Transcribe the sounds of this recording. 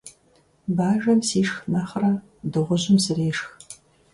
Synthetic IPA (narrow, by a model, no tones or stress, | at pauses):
baːʒɐmsiːʂxnɐχrɐ | dɨʁʷʊʑɪmzɨreːʂx